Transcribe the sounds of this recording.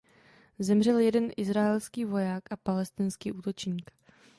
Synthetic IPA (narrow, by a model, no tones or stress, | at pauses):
zɛmr̝ɛljɛdɛnʔɪzɾaɛlskiːvo̞jaːkʔapalɛst̪ɪnskiːʔuːt̪o̞t͡ʃɲiːk